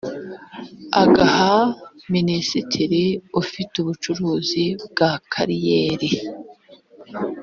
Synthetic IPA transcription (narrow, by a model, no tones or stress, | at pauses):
a̰ɡaha | minisitʰiɾiufituβut͡ʃuɾuːzib̚ɡakʰaɾijeːɾi